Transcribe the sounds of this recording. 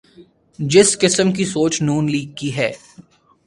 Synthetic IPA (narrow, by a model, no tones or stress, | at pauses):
d͡ʒɪskɪsəmkisoːt͡ʃnuːnliːɡ̚kiɦɛː